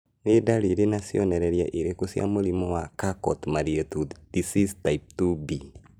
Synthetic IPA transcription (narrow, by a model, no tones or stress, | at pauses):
nedaɾiɾenasiɔnɛɾɛɾja̰ʔeɾekosja̰moɾimɔwakakɔtmaɾiɛtud̥isistaip̚tubi